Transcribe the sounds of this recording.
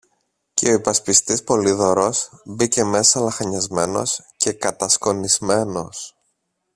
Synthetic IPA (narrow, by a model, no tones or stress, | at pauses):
ce̞o̞ipɐspist̪ispo̞liðo̞ɾo̞sbice̞me̞sɐlɐxɐɲɐzme̞no̞̰sce̞kɐt̪ɐsko̞nizme̞no̞̰s